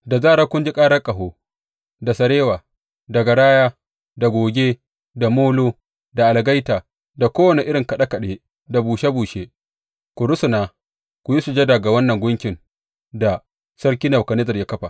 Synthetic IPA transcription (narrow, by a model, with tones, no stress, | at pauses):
da˨zaː˦ɾaː˦kʷʊ˦nd͡ʒi˦kʼaː˦ɽɐ˦kʼɐ˨ɦoː˦ | da˨sɐ˨ɽeː˦waː˨ | da˨ɡɐ˨ɽaː˦jaː˦ | da˨ɡʷoː˨ɡʲeː˦ | da˨moː˦loː˦ | da˨ʔa˨lɡa˦jtaː˨ | da˨kʷoː˦wɐ˨ne˨ʔɪ˦ɽɪ˨ŋkɐ˨ɗa˦kɐ˨ɗe˦ | da˨buː˨ʃe˦buː˨ʃe˦ | kʷʊ˨ɽʊ˦sʊ˨naː˦ | kʷʊ˨ji˦su˨d͡ʒe˦da˨ɡa˨wɐ˦nːɐ˨ŋɡʷʊ˦ŋkʲɪ˨ŋ | da˨ | sɐ˦ɾkʲiː˦nɐ˨wkɐ˨nɛ˦zɐ˨rja˦kɐ˦ɸa˨